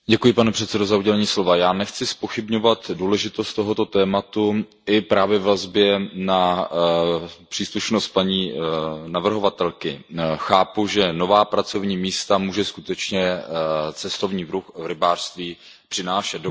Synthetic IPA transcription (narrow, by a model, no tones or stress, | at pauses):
ɟɛkujɪpanɛpr̥ɛt̪sɛdo̞zauɟɛlɛɲiːslo̞vajaːnɛxt͡sɪspo̞xɪbɲo̞vat̪duːlɛʒɪt̪ost̪t̪ːo̞ɦo̞t̪ot̪ɛːmat̪u | ɪpɾaːvjɛvvazbjɛna | pr̝̥iːsluʃnost̪̚paɲiːnavr̩ɦo̞vat̪ɛlkɪxaːpuʒɛno̞vaːpɾat͡so̞vɲiːmiːst̪amuːʒɛskut̪ɛt͡ʃɲɛ | t͡sɛst̪o̞vɲiːvɾuxvɾɪbaːr̥st̪viː | pr̥ɪnaːʃɛt̪d